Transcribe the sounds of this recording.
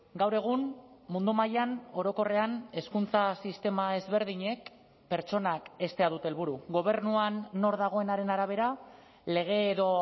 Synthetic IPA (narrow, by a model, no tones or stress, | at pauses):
ɡawɾe̞ɣ̞unmund̪umajano̞ɾo̞ko̞re̞ane̞skunt͡sasist̪e̞mae̞zβe̞ɾðiɲe̞k | pe̞ɾt͡ʃo̞nake̞st̪e̞aðut̪eːlβuɾuɣo̞β̞e̞rnuanːo̞ɾðaɣ̞o̞e̞naɾe̞naɾaβ̞e̞ɾa | le̞ɣ̞e̞ːðo̞